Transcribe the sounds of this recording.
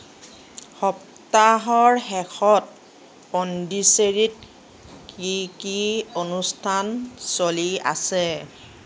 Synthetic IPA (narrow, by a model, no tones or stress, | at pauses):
xɔp̚ | taɦɔɹhɛxʰɔt̚ | ɔndiseɹit̚ | kikionustʰansolia̰sɛ